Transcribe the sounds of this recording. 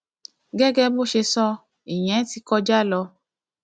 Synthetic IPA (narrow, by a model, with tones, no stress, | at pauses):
ɡɛ˦ɡɛ˦bo˦˨ʃe˧sɔ˦ | i˨j̃ɛ̃˨˦ti˧kɔ˧d͡ʒa˦˨lɔ˧